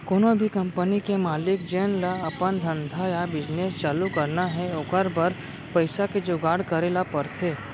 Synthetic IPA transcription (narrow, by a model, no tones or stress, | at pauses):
koːnobʱikɐ̃mpənikemaːlɪkd͡ʒeːnlaɐpənd̪ʱɐ̃nd̪ʱajabɪd͡ʒneːst͡ʃaːlukɐɾnaɦɛokəɾbɐɾ | pɐɪsaked͡ʒoːɡaːɽkɐɾelapɐɾt̪ʰeː